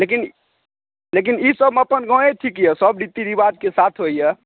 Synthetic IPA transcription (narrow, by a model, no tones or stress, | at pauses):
lekin | lek̬inisəbʱməpənɡɔ̃eʈʰikjɛsəbɖit̪ːid̪ibad̪kesat̪ʰɦojjɛ